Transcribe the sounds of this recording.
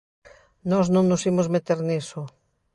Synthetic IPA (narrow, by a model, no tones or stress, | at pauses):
nɔznõŋnʊsimozmet̪eɾnisʊ